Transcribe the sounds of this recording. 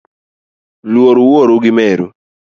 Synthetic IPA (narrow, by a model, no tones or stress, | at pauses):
lwoɾuwoɾuɡɪmɛɾu